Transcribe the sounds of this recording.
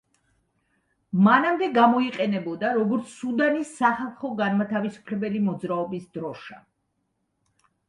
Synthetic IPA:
manamd̪ɛɡamɔiqʼɛnɛbɔd̪aɾɔɡɔɾt̪sʰsud̪anisːaχalˠχɔɡanmat̪ʰavisu̥pʰlɛbɛlimɔd̪zɾaɔbisd̪ɾɔʃa

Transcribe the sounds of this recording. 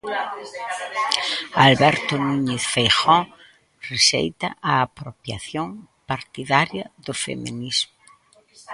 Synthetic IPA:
alβɛɾt̪ʊnũɲeθfejxɔ | reʃḛjt̪aʔaːpɾopja̰θjoŋ | paɾt̪iðaɾjɐðʊfḛmĩnizmʊ

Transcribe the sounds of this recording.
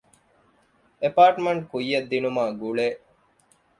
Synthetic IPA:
epaːʈmeɳʈkujːɐd̪ːinumaːɡuɭeː

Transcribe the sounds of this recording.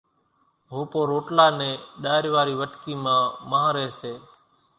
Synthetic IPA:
ɦoːpoːɾoːʈlaːnẽːɗaːɪɾʋaːɾiːʋəʈkiːmãːməɦãːɾeːseː

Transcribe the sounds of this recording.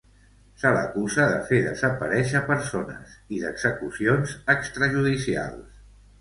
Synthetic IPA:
sələ̰kuzəðə̰feðə̰zəpəɾɛʃəpəɾsonə̰siðəɡz̥əkusionzəkst̪ɾəʒuðisia̰lˠs

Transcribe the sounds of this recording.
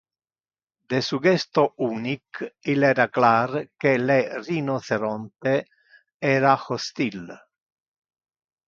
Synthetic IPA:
d̪esuɡɛst̪ouːnikilɛːɾaklaːɾkelerinoθeɾɔnt̪e | ɛːɾaxost̪il

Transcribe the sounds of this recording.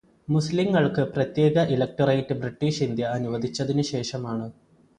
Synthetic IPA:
musliŋːɐɭkɨprɐt̪je̞ːɡɐʔilɐk̚ʈɐrɐjtːɨbriʈːiːʂind̪jɐːnuʋɐd̪ʱit͡ɕːɐðinɨɕe̞ːʂɐmaːɳɨ

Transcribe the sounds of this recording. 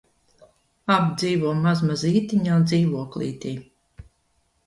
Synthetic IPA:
abd̪ziːvuɔmazmaziːt̪iɲaːnd̪ziːvuɔklˠḭːt̪iː

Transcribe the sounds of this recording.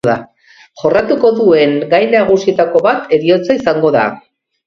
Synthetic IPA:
ða | ʝo̞rat̪uko̞ðue̞ŋɡajnaɣusie̞t̪ako̞βat̪ʰe̞ɾio̞t͡saisaŋɡo̞ða̰

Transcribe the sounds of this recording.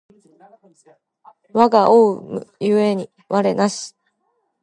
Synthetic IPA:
βaɡaʔoɯmɯ̟jɯe̞ɲ̟i | βaɾe̞naɕi̥

